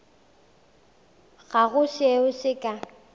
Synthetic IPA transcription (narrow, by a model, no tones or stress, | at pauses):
ɣaɣʊseʊsɪkʼa